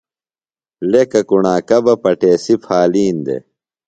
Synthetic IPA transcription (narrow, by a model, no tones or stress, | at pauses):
lekɐkuɳaːkɐbɐpɐʈeːsipʰaːliːnd̪ḛ